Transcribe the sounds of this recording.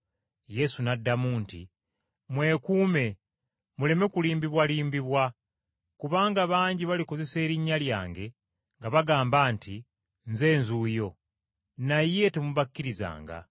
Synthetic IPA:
je̞sunadːamuːntḭ | mwe̞ːkuːme̞ | mule̞me̞kuliːmbiβwaliːmbiβwa | kuβaːŋɡaβaːɲɟiβaliko̞ze̞se̞ːɾiɲːalja̰ːŋɡe̞ | ŋɡaβaɡaːmbaːntʰi | nze̞ːnzuːjo̞ | naje̞temuβakːiɾiza̰ːŋɡa̰

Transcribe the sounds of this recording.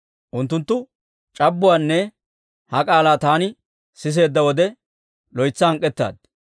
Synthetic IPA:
ʔʊnt̪ːʊnt̪ːʊ | t͡ʃʼɐbːʊwaːnːɛ | hɐkʼaːlaːt̪aːnɪ | sɪs̬e̞ːd̪ːɐwɔd̪ɛ | lɔjt͡sːɐhɐŋkʼːɛt̪ːa̰ːd̪̚

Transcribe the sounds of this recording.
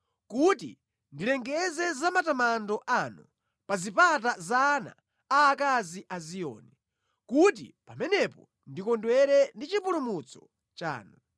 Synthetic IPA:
kutḭ | ndilɛŋɡɛzɛzamatamandɔʔanu | pazipat̬azaːna̰ː | kaziʔazijɔ̰ːni | kut̬ḭpamɛnɛpɔ | ndikɔndwɛɾɛndit͡ʃipulumut͡sɔ̥ | t͡ʃa̰ːnu

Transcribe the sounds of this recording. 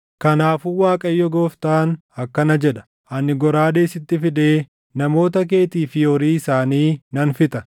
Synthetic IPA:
kɐnaːfuːwaːkʼɐjːɔɡoːft̪aːn | ɐkːɐnɐd͡ʒɛᶑɐ̥ | ʔɐnɪɡɔɾaːd̪eːsɪt̪ːɪfɪd̪eː | nɐmo̞ːt̪ɐk̬e̞ːt̪iːfɪjɔɾiːɪsaːniːnɐnfɪt̪ɐ

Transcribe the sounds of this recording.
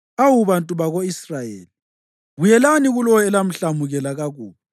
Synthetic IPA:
awuβantʼuβaɣoisrajḛːli | ɣujɛlaniɣulɔɛlam̩ɬamuɣɛlaɣaɣuːβa

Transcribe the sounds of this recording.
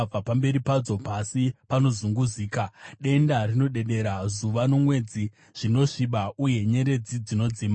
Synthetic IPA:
b͡vapambe̞ɾipad͡zo̞pasipano̞zuŋɡuziːkaɗe̞ndarino̞ɗe̞ɗe̞ɾazuʋano̞mwe̞d͡zi | ʐ̥ino̞ʂiɓauje̞ɲe̞ɾe̞d͡zid͡zino̞d͡zima

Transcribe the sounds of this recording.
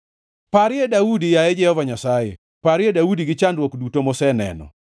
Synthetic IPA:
paɾɪedaudijaɛd͡ʒɛhɔvaɲasajɛ̰ | paɾɪedaudiɡɪt͡ʃandwokdutomɔsɛnɛ̰nɔ̰

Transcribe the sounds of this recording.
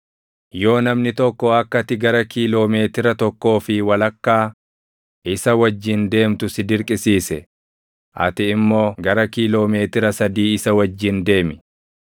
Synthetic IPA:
jo̞ːnɐmnɪt̪ɔkːɔɐkːɐt̪ɪɡɐɾɐkiːlo̞ːme̞ːt̪ɪɾɐt̪ɔkːo̞ːfɪwɐlɐkːaː | ɪsɐwɐd͡ʒːɪnd̪e̞ːmt̪ʊsɪd̪ɪɾkʼɪsiːsɛ | ʔɐ̰t̪ɪːmːo̞ːɡɐɾɐkiːlo̞ːme̞ːt̪ɪɾɐsɐd̪iːɪsɐwɐd͡ʒːɪnd̪e̞ːmɪ

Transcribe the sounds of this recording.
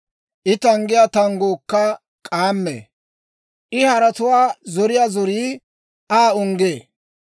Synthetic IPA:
ʔɪt̪ɐŋɡɪjat̪ɐŋɡoːkːɐ | kʼaːmːḛː | ʔɪhɐɾɐt̪ʊwaːzɔɾɪjaːzɔɾiː | aːʊŋɡeː

